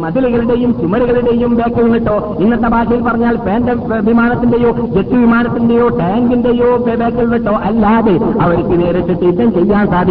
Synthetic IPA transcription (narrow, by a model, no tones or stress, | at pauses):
mɐðiliɣɐɭiɽe̞jumt͡ɕumɐɾiɣɐɭiɽe̞jumbeːkːɐlunːiʈːo̞ː | inːɐt̪ːɐbaːɕɐjilpɐrɐɲːaːlpeːndeʋimaːnɐt̪ːinde̞jo̞ːd͡ʑet̪ːuʋimaːnɐt̪ːindejo̞ːʈaːŋɡinde̞joːbeːkːɐlnːiʈːo̞ːʔɐlːaːðeɐʋɐɾikʲːɨneːɾɐt̪ːiʈːɨit̪ːɐmt͡ɕejːaːnsaːd̪ʱi